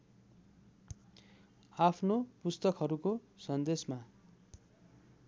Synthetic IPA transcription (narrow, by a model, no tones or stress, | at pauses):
apʰnopust̪ʌkɦʌɾukosʌnd̪esma